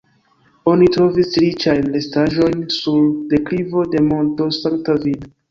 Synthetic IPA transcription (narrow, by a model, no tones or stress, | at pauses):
o̞nitɾo̞visɾit͡ʃajnlestaʒo̞jnsulde̞klivo̞de̞mo̞nto̞saŋktovil